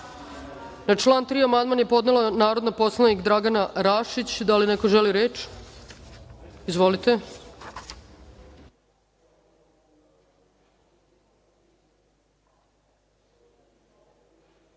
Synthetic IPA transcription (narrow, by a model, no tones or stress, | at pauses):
nat͡ʃlˠaːnt̪ɾiːamand̪manje̞po̞d̪nelanaːɾo̞d̪nopo̞slˠanikd̪ɾaɡanaɾaʃit͡ɕd̪alinekoʒeliɾeːt͡ʃ | izʋo̞lit̪e